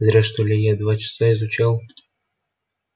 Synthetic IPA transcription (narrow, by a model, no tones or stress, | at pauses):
zɾʲaʂt̪olʲejad̪vat͡ɕɪ̥saɪzʊt͡ɕalˠ